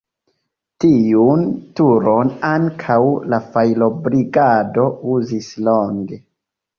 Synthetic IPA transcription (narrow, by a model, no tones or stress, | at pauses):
tiuntuɾo̞naŋkʰawlafajlo̞bɾiɡado̞uzisloŋɡe̞